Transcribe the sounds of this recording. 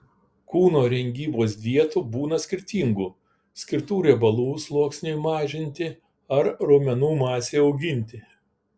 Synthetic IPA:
kuːnoːɾʲɛŋʲɡʲiːboːs̬ʋʲiɛt̪ubuːnɐsʲkʲɪɾʲt̪ʲiːŋɡuː | sʲkʲɪɾt̪uːɾʲɛbɐlˠuːslˠuɔksʲnʲʊjmɑːʒʲɪnʲt̪ʲɪ | ɐɾɾoːmʲɛnuːmɑːsʲeːɒʊɡʲɪnʲt̪ʲɪ

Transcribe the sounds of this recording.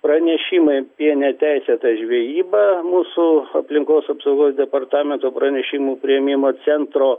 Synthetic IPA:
pɾɐnʲɛʃʲɪmɐɪpʲiɛnʲɛt̪ʲæɪsʲeːt̪ɐʒʲʋʲiɛjiːbɐmuːsʊɐpʲlʲɪŋkoːsɐpsɐʊɡoːsd̪ʲɛpɐrt̪ɑːmʲɛnt̪oːpɾɐnʲɛʃʲɪmuːpʲɾʲɪjɛmʲɪmoːt͡s̪ʲɛnt̪ɾoː

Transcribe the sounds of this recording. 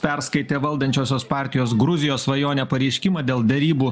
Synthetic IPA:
pʲɛɾskɐɪt̪ʲeːʋɐlˠd̪ɐnʲt͡ʃʲoːsʲoːspɑːˑɾʲt̪ʲɪjoːsɡɾʊzʲɪjoːsʋɐjoːnʲɛpɐɾʲɛɪʃʲkʲɪmɐːd̪ʲeːlˠd̪ʲɛɾʲiːbuː

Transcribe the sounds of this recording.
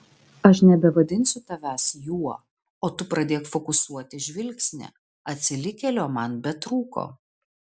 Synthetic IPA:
ɐʃnʲɛbʲɛʋɐd̪ʲɪnʲsʲʊt̪ɐʋʲæsjuɔ | oːt̪ʊpɾɐd̪ʲeːkfɔkʊsuɔt̪ʲɪʒʲʋʲɪlʲksʲnʲɛ̰ | ɐt̪ʲsʲɪlʲɪkʲɛlʲoːmɐnbʲɛt̪ɾuːko̰ː

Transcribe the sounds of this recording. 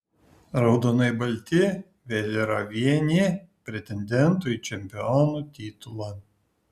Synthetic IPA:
ɾɐʊd̪oːnɐɪbɐlʲt̪ʲɪ | ʋʲeːlʲiɾɐʋʲiɛnʲipʲɾʲɛt̪ʲɛnʲd̪ʲɛnt̪ʊit͡ʃʲɛmʲpʲɪɔnut̪ʲiːt̪ʊlˠɑ

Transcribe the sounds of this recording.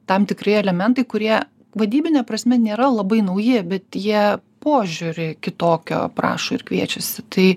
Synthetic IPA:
t̪ɐmt̪ʲɪkɾɐɪɛlʲɛmʲɛnt̪ɐɪkʊɾʲiɛ | ʋɐd̪ʲiːbʲɪnʲɛpɾɐsʲmʲɛnʲeːɾɐlˠɐbɐɪnɐʊjɪbʲɛt̪jiɛpoːʒʲʊɾʲɪkʲɪt̪oːkʲo̰ːpɾɑ̰ːʃoːɪɾkʋʲiɛt͡ʃʲɛsʲɪt̪ɐɪ

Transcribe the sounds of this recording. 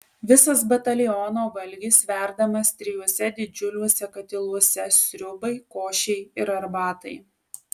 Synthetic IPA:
ʋʲɪsɐsbɐt̪ɐlʲɪjɔːnoːʋɐlʲɡʲiːsʋʲæˑɾd̪ɐmɐst̪ʲɾʲɪjuɔsʲɛd̪ʲɪd͡ʒʲʊlʲuːsʲɛkɐt̪ʲɪlˠuɔsʲɛsʲɾʲʊbɐɪkoːʃʲɛɪɪɾɐɾbɑːt̪ɐɪ

